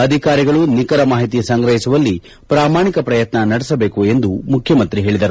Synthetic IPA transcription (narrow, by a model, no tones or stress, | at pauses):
ɐd̪ʱikaːɾiɡɐɭunikɐɾɐmaːɦit̪̬isɐŋɡɾɐɦisuʋɐlːi | pɾaːmaːɳikɐpɾɐjɐt̪nɐnɐɽɛsɐbeːkue̞nd̪umukʰjɐmɐnt̪ɾiɦeːɭid̪ɐɾu